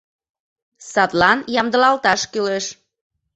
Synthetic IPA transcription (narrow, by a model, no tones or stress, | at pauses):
sɑt̪lɑnjɑmd̪əlɑlt̪ɑʃkyleʃ